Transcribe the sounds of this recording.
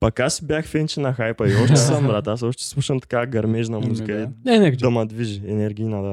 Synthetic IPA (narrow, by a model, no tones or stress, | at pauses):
pɐkasbjaxfɛnt͡ʃɛnɐxajpɐiɔʃt̪ɛsəmbɾat̪asɔʃt̪ɛ̥slˠuʃənt̪ɐ̥kaɡɐɾmɛʒnɐmuzikəilinɛnɛd̪ɐmɐd̪viʒiɛnɛɾɡʲiinad̪a